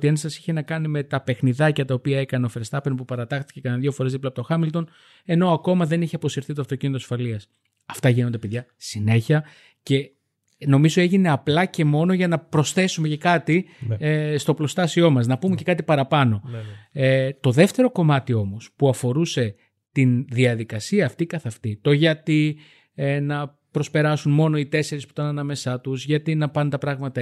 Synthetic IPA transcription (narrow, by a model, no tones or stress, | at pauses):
t̪iɐnsɐsi̥çe̞nɐkɐnime̞t̪ɐpe̞xniðɐcɐt̪ɐopiɐe̞kɐneo̞feɾest̪ɐpenopupɐɾɐt̪ɐxt̪i̥ce̞kɐnðʝo̞fo̞ɾe̞zðiplɐp̚t̪oxɐmilt̪o̞n | e̞no̞ɐko̞mɐðe̞niçeɐpo̞siɾθit̪oɐft̪o̞cinit̪oɐsfɐliɐs | ɐft̪ɐʝinond̪e̞peðʝɐsine̞çiɐ | ce̞ | no̞mizoe̞ʝine̞ɐplɐce̞mo̞no̞ʝɐnɐpɾo̞sθe̞sume̞ce̞kɐt̪i | st̪o̞plo̞st̪ɐsio̞mɐznɐpume̞ce̞kɐt̪ipɐɾɐpɐno̞et̪o̞ðe̞ft̪e̞ɾo̞ko̞mɐt̪io̞mo̞spuɐfo̞ɾuse̞ | t̪inðiɐðikɐsiɐːft̪ikɐθɐft̪it̪oʝɐt̪i | nɐ | pɾo̞spe̞ɾɐsunmo̞no̞it̪e̞se̞ɾisput̪ɐnɐnɐme̞sɐt̪uzʝɐt̪inɐpɐnunt̪ɐpɾɐɣmɐt̪ɐ